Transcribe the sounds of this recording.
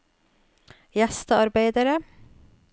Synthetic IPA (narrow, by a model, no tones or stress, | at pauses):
jæst̪əɑɾbeɪd̪əɾə